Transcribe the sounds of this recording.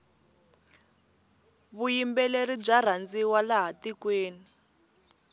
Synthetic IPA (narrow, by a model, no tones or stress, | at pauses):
βujimbɛlerib͡ʐar̤and͡ziwalaɦatikweːni